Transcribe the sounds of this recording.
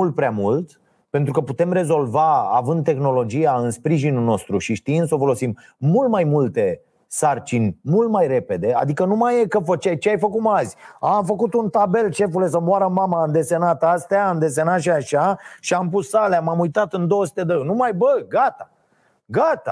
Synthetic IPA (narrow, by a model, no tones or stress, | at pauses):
ult̪̚pɾeamult̪ | pent̪ɾukəput̪e̞mre̞zo̞lvaa̰vɨnd̪e̞xno̞lo̞d͡ʒijaɨnspɾiʒinulno̞st̪ɾuʃiʃt̪iːnsəofo̞lo̞simː | ult̪majmult̪e̞ | sart͡ʃinʲmult̪majɾe̞pe̞d̪e̞a̰d̪ikənumajekəfət͡ʃajt͡ʃeajfəkumazʲamfəkut̪unt̪abe̞lʃe̞fule̞s̬əmoaɾəmamaːmd̪e̞se̞nat̪ast̪aːmd̪e̞s̬e̞nat̪ʃ̬iaʃaʃiamp̬ussaleamamujt̪at̪ɨnd̪o̞wəsu̥t̪e̞d̪enumajbəɡat̪a | ɡat̪a